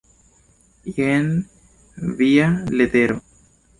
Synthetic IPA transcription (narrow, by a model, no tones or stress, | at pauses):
jen | vialet̪eɾo